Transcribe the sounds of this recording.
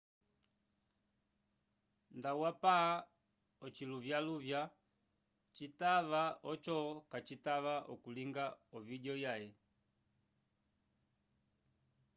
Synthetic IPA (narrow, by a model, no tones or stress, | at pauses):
ndawapaa | ɔt͡ʃiluvjaluvja | t͡ʃitavaɔt͡ʃɔkat͡ʃitavaʔɔkuliŋɡaɔviɟɔjajɛ